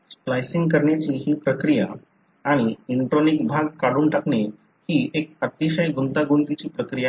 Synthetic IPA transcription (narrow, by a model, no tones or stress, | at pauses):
splajsiŋɡkəɾɳjat͡ɕiːɦiːpɾəkɾijaː | ɽ̃iiɳʈɾonikbʱaɡkaɽuːnʈakɳe | hiːek̚ət̪iɕəjɡunt̪aɡunt̪it͡ɕiːpɾəkɾija